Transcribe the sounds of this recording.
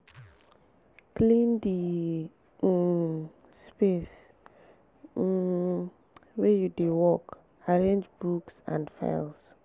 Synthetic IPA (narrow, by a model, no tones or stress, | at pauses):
klĩndi | spes | wɛjudewɔk | aɹẽnd͡ʒbuksã̰ndfa̰ɪls